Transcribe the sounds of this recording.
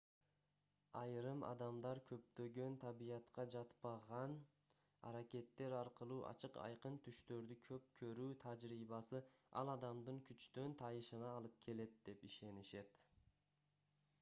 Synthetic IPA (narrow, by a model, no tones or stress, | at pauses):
ɑjɾɯmɑ̰d̪ɑmd̪ɑɾkʰø̞pt̪ø̞ɡø̞nt̪ʰɑbijɑt̪qɑd͡ʒɑt̪pɑʁɑn | ɑ̰ɾakʲe̞t̪ːe̞ɾɑɾqɯlˠuːʔɑ̰t͡ʃʰɯqɑ̰jqɯnt̪ʰyʃt̪ø̞ɾd̪ykʰø̞p̚kʰø̞ɾyːt̪ʰad͡ʒɾiːβɑsɯɑ̰lˠɑd̪ɑmd̪ɯŋkʰyt͡ʃt̪ø̞nt̪ʰɑjɯʃɯnɑːlˠɯp̚kʲʰe̞le̞t̪̚d̪e̞piʃe̞niʃe̞t̪